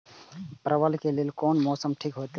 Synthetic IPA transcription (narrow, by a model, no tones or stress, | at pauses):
pɾəʋəlkelelkoːnmɔːsəmʈʰikɦojt̪